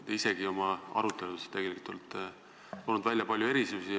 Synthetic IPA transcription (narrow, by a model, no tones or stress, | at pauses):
t̪eise̞ɡ̥io̞mɑɑ̰ɾut̪ːˑe̞lud̪est̪ːeɡe̞likˑut̪ːolt̪ːˑ | t̪onud̪vælʲjɑpɑlʲjue̞ɾisusi